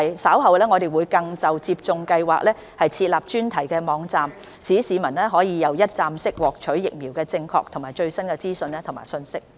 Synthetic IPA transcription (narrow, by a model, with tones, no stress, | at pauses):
jsaː˨˥wɦɐ˨wlɛː˥ŋɔ˨˧ɾe˨jwuː˨˧jkɐ˧ŋt͡sɐ˨wt͡siː˧p̚t͡sʊ˧ŋkɐ˧jwaː˨k̚lɛː˥ | hɐ˨jt͡sʰiː˧t̚laː˨p̚t͡ʃyː˥nt̪ʰɐ˨˩jkɛː˧mɔː˨˧˥ŋt͡saː˨m | siː˨˥siː˨˧mɐ˨˩nlɛː˥ɦɔː˨˥jiː˨˧jɐ˨˧wjɐ˥t̚t͡saː˨msɪ˥k̚wɔː˨k̚t͡ʃʰɵ˨˥ɥjɪ˨k̚miː˨˩wkɛː˧t͡sɪ˧ŋkʰɔ̰ː˧k̚t̪ʰʊ˨˩ŋmaː˨jt͡ʃɵ˧ɥsɐ˥nkɛː˧t͡siː˥sɵ˧nlɛː˥t̪ʰʊ˨˩ŋma̰ː˨˩sɵ˧nsɪ˥k̚